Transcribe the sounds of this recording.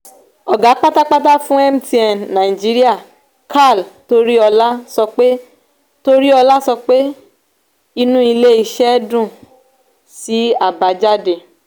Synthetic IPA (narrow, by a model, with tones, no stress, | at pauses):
ɔ˨ɡa˨˦k͡pa˦ta˦k͡pa˦t̬a˦fũ˦ɛ˦m̩˨ti˨ɛ˨nã˨i˨d͡ʒi˨˦ɾi˦a˦˨ | kʰa˦˨lto˧ɾi˦ɔ˧la˦sɔ˧k͡pe˦ | to˦ɾi˦ɔ˧la˦sɔ˧k͡pe˦ | i˧nũ˦i˧le˦i˧ʃɛ˦dũ˦˨ | si˨˦a˦˨ba˨˧d͡ʒa˦de˨